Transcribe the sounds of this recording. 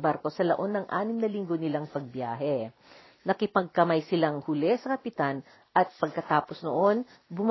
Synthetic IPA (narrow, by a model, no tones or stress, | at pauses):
baɾko̞sɐlɐʔo̞nːɐŋʔa̰ːnɪmnɐlɪŋɡo̞nɪlaŋpɐɡ̚bjaːɦɛ | nɐkɪpɐɡ̚kɐmajsɪlaŋhʊlɛsɐkɐpɪt̪an | ʔɐt̪̚pɐɡ̚kɐt̪aːpo̞snoʔo̞n | bʊm